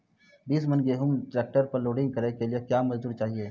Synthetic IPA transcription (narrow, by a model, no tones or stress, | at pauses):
biːsmənɡeɦʊmʈɾɛːk̚ʈəɾpɐɾloːɖɪ̃ŋɡ̚kɐɾekeliekjaːmɐd͡ʒd̪uːɾt͡ʃaːɦieː